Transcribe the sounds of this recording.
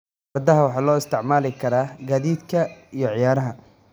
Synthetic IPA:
mɐrd̪ɐɦɐwɑħɑːlɔːɪst̪ʰɪʕmaːlɪkʰɐɾaːɡaːðiːd̪kʰɐijɞʕɪjaːɾɐɦɐ

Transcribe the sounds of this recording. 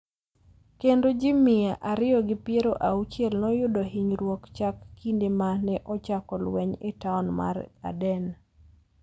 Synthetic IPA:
kendod͡ʒɪmɪaʔaɾɪɔɡɪpjeɾoʔaut͡ʃjɛlnɔjʊdoɦiɲɾwɔkt͡ʃakːindemanɛʔɔt͡ʃakɔlwɛɲɪtaɔnma̰ɾa̰dɛn

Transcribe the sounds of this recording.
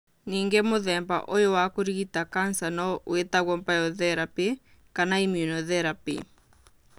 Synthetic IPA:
niːŋɡemoðɛmba̰ʔojowakoɾiɣitakansanɔwetaɣwɔmpajɔðɛɾape | kanaimjunɔðɛɾapḭ

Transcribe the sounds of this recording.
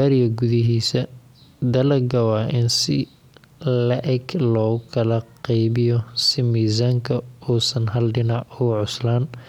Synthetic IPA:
aːɾɪjɐɡʊðɪɦiːsɐ | d̪ɐlɐɡɐwɑːʔɪnsɪ̰ | lɐʔɛɡlɔːɣʊkʰɐlɐqɑjβɪjɔsɪmiːzaːŋkʰɐuːsɐnɦɐlɖɪnɑʕʊɣʕʊslaːn

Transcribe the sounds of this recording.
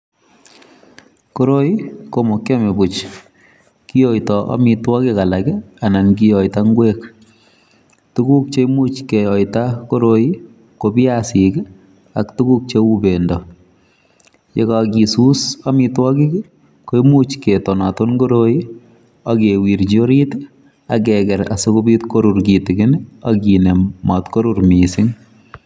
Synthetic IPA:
koɾojikomokːemebut͡ʃ | kijojtɔʔɔ̰mitwɔkikalakanankijɔitaŋɡwek | tukuk̚t͡ʃemut͡ʃkejɔjtakoɾoi | kopɪjasik | aktukuk̚t͡ʃeubendɔ | jḛkakisusamitwɔkik | kojmut͡ʃketɔnatonkoɾoi | akewiːɾd͡ʒoɾit | ak̬ɛkɛɾa̰sokobitkoɾuɾkitɪɡɪnakinemɔtkoɾuɾmisɪŋ

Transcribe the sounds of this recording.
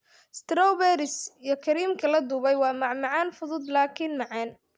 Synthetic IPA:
st̪ɾɔwbɛɾɪsiːjɞkʰɐɾiːmkʰɐlɐd̪uːβɛjwɑːmɑʕmɑʕɑːnfʊðʊd̪laːkʰinmɑʕɑːn

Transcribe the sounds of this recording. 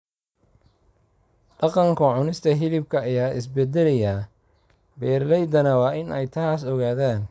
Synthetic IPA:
ɖɑqɑŋkʰʊʕʊnɪst̪ʰɐɦɪlɪb̚kʰɐɐjaːʔɪ̰sbɛd̪ɛlɐjɐ | bɛːrlɛjd̪ɐnɐwɑːʔɪnʔɛjt̪ʰaːsɔɣaːðaːn

